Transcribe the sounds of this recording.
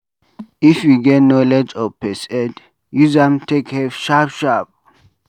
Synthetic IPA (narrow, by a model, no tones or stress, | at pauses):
ifjuɡɛtnɔlɛd͡ʒɔpʰɛsɛd | juzãmtʰekhɛvʃapʃap̚